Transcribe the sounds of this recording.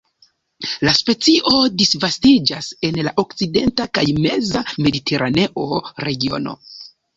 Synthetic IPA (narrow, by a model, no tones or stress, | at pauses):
laspe̞t͡siʔo̞disvastid͡ʒase̞nlaʔo̞kt͡side̞ntakajme̞zame̞ditʰe̞ɾʔane̞ʔo̞ɾe̞ɡio̞̰no̞̰